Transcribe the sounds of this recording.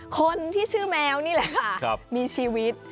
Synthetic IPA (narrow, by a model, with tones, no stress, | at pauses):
kʰo˧nt̪ʰiː˥˩sɯː˥˩mɛː˧wniː˥˩lɛ˨˧˦ʔkʰa˥˩˧miː˧t͡ɕʰiː˧wi˦˥t̪̚